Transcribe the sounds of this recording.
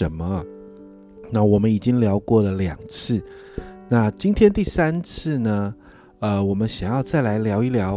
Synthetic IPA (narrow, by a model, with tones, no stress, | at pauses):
ə˧˥nmə˧˨ | na˥˩wɔ˨˩mə˦ni˨˩t͡ɕi˥ŋljɑ˧˥ʊkwɔ˥˩lə˩ljɑ˨˩ŋt͡sʰɹ̩˥˩ | na˥˩t͡ɕi˥nt̪ʰjɛ˥nt̪i˥˩sa˥nt͡sʰɹ̩˥˩nə˩ | ə˧wɔ˨˩mə˦nɕjɑ˨˩ŋjɑ˥˧ʊt͡sa˥˩ɪla˧˥ɪljɑ˧˥ʊi˥˩ljɑ˧˥ʊ